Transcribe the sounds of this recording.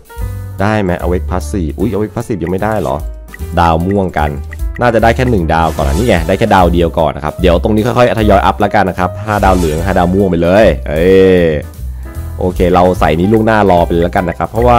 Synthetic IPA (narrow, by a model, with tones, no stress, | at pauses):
daː˥˩jma˦˥ʔa̰˧we˦˥k̚pʰaː˦˥siː˨˩p̚ʔu˦˥˩jʔa˧we˦˥k̚pʰa˦˥siː˨˩p̚ja˧ma˥˩jdaː˥˩jlɔ̰˩˦ | daː˧wmu˥˩əŋka̰˧nnaː˥˩t͡ɕa˨˩da˥˩jkʰɛː˥˩nɯ˨˩ŋdaː˧wkɔː˨˩nʔa̰ː˧niː˥˩ŋɛ˧˩daː˥˩jkʰɛː˥˩daː˧wdi˧əwkɔ̰ː˨˩nʔa˦˥kʰa˦˥p̚di˩˦əwt̪o˧ŋniː˦˥kʰɔ˥˩jkʰɔ˥˩ʔa˦˩t̪ʰa˧jɔː˧jʔa˦˥p̚la˦˥ka˧nːa˦˥kʰa˦˥p̚ʰaː˥˩daː˧wlɯ˩˦ŋʰaː˥˩daː˧wmu˥˩əŋpa˧jlɤː˧jʔe˧˩ | ʔoː˧kʰeː˧ɾa˧wsa̰˨˩jniː˦˥lu˥˩əŋnaː˥˩lɔː˧pa˧lɛː˦˥ka˧nːa˦˥kʰa˦˥pʰːɾɔ˦˥waː˥˩